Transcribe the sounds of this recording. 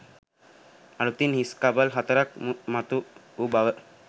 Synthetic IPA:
aɽut̪inɦiskabalɦat̪aɾak̚mmat̪u | ubaʋə

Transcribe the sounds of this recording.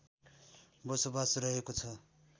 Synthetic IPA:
bʌsobasɾʌɦekot͡sʰʌ

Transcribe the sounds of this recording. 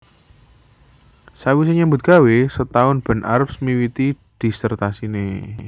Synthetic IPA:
sawis̬eɲambʊt̪̚ɡ̥a̤wesət̪aʊnb̥ə̤nʔa̰ɾəpsmiwit̪i | d̪̥i̤sərt̪asine

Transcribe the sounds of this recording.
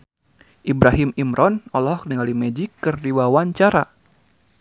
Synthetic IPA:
ʔibɾaɦimimɾʔɔnɔlɔkniŋalimɛd͡ʒikːɨrdiwawaɲt͡ʃaɾa

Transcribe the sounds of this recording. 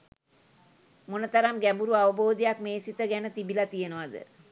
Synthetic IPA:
monət̪aɾamɡæmbuɾuaʋəboːd̪ejakmeːsit̪əɡænət̪ibilat̪ijenəʋad̪ə̰

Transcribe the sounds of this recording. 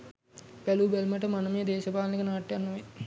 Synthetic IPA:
bælubelməʈəmanəmeːd̪eːʃəpaːlnikənaːʈːjanːoʋe

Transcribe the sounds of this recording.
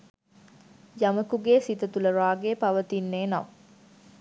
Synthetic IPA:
jaməkuɡeːsit̪ət̪uləɾaːɡepaʋət̪inːeːnaʋ

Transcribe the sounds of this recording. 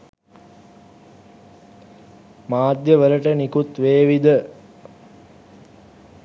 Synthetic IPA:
maːd̪jəʋələʈənikut̪ʋeːʋid̪ə

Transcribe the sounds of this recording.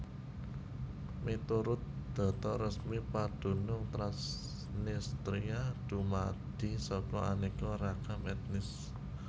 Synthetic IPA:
mit̪uɾʊt̪̚d̪̥ɔ̤t̪ɔrəsmipad̥ṳnʊŋt̪ɾas | nist̪ɾiad̥ṳma̰d̪̥i̤sɔkɔʔa̰nikɔɾakamɛt̪̚nɪs

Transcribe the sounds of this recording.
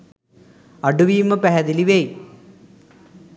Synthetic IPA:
ɐɖuʋiːmɐpɐɦɐd̪iliʋej

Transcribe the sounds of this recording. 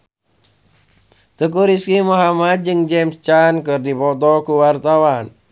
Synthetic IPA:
t̪əkuɾiskimuɦamad̪̚d͡ʒɨŋd͡ʒɛmst͡ʃankɨrdipɔt̪ɔkuwart̪awan

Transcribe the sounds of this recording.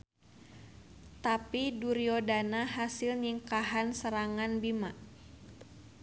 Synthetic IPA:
t̪apiduɾiodanaɦasɪlɲiŋkaɦansəɾaŋanbima

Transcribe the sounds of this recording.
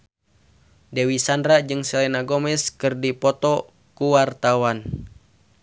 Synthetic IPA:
dɛwisandɾad͡ʒɨŋsɛlɛnaɡomɛskɨrdipɔt̪ɔ | kuwart̪awan

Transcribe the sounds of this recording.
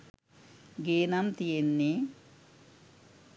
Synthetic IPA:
ɡeːnɐmt̪ijenːe

